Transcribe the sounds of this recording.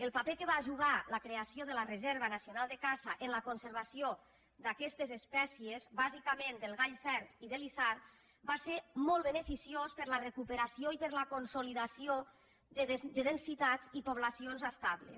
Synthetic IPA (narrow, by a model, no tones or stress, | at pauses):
əlˠpapekəβaʒuɣaləkɾeasjoðələrezɛɾβənasjonalˠd̪əkazaʔenləkonseɾβasio | d̪akɛst̪ezespɛsiezbazikəmẽnd̪əlˠɣaʎfɛɾt̪iðəlisaɾ | baseɾmɔlˠβənefisiospəɾlərekupeɾasioipəɾlakonsoliðasio | d̪əðensit̪adzipoβ̞lasionzast̪aβlḛ